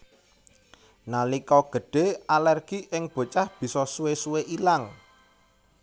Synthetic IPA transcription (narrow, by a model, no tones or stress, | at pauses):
nalikɔɡ̥ə̤ɖ̥e̤alɛrɡ̥iʔɪŋb̥o̤t͡ʃahb̥i̤sɔsuwesuweʔilaŋ